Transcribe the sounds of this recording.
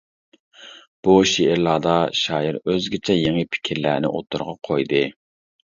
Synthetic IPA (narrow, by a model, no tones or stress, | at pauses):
b̥uʃeʔɪɾlˠɑːd̪ɑʃɑːjiɾøzɡʲɪt͡ʃʰɛjeŋɪpʰɪ̥kʲʰiɾlæːnɪ̰ʔot̪ːuɾʁɑqʰojd̪ɨ